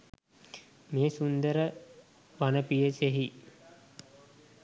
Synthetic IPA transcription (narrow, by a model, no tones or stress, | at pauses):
meːsund̪əɾə | ʋanəpijəseɦi